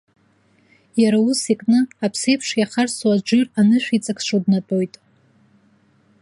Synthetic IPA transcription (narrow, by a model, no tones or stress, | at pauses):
jaɾausikʼnɨapʰsejpʰʂjaχarswad͡ʒɪranɨʃʷᶣit͡sʼakʷʰʂodnatʼo̞jtʼ